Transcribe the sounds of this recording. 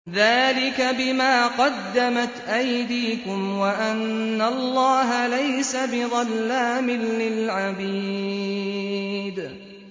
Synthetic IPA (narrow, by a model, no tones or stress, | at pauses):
ðaːlɪkabɪmaːqɑd̪ːamat̪ʔajd̪iːkʊmwaʔanːalːɑːɦalajsabɪðˤɑlːaːmɪnːɪlʕabiː | d̪